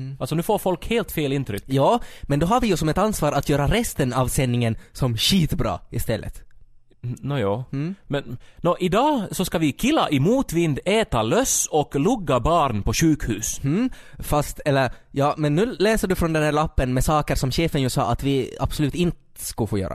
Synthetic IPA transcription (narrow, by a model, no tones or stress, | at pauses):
ɑlsɔnʉːfoːɾfɔlkheːlt̪feːlɪnt̪ɾʏkːjɑːmɛnd̪ɔɦaɾʋɪjʉsɔmɛt̪ɑnsʋɑːɾɑt̪jøːɾaɾɛst̪ənɑʋsɛnːɪŋənsɔmɕiːt̪bɾɑ̰ːɪst̪ɛlːə̰t̪ | njɑmɛnnɔʔɪd̪ɑːsɔskɑʋɪkʰɪlːa̰ʔɪmuːt̪ʋɪnd̪ɛːt̪alœsɔklʊɡːabɑːɾnpʰɔʃʉːkhʉːs | fast̪ɛlːəɾjɑːmɛnːʉːleːsəɖʉfɾɔnd̪ɛnhæːɾɭapːənmɛsɑːkəɾsɔmɕeːfənjʉsɑ̰ːʔɑt̪ʋɪɑ̰b̥sɔlʉːt̪ɪnt̪əskɑlfoːjø̰ːɾʔa̰